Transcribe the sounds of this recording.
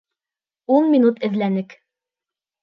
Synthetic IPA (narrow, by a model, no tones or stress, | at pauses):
unmʲinut̪ɘ̆ðlænɘk